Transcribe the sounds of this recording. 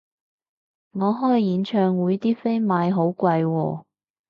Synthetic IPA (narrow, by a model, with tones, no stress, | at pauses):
ŋɔː˨˧ɦɔː˥jjiː˨˧˥nt͡ʃʰœː˧ŋwuː˨˧jt̪iː˥fe˥jmaː˨˧jɦo˨˧˥wkʷwɐ˧jwɔː˧